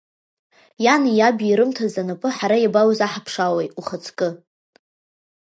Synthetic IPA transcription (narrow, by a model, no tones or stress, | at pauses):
janijabiɾɨmtʰazanapʼɨħaɾajabawazaħapʰʂawejʼuχət͡sʰkʼɨ